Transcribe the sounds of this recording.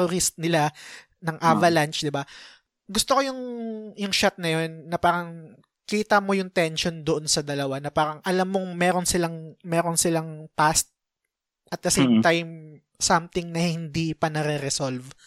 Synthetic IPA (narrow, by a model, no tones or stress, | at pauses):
oɾɪst̪̚nɪla | nɐŋʔavɐlɐnt͡ʃd̪ɪba | ɡʊst̪okojʊŋjʊŋʃat̪̚nɐjo̞nːɐpaːɾɐŋ | kiːt̪ɐmo̞jʊŋt̪ɛnʃo̞nd̪oʔonsɐd̪ɐlɐwanɐpaːɾɐŋʔɐlamːoŋmɛːɾo̞nsɪlaŋmɛːɾonsɪlaŋpast̪̚ | ʔɐt̪̚d̪ɐsejmt̪ajm | samt̪ɪŋnɐhɪnd̪ipɐnɐɾɛɾɛsolv